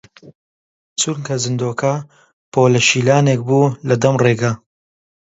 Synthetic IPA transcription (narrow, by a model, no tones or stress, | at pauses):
t͡suɾŋkɐzɨnd̪oːkʰɐ | pʰoːlɐʃiːlaːnek̚buːlɐd̪ɐmreːɡɐ